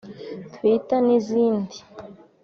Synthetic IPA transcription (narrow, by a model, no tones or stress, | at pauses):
t̪witaniziːndi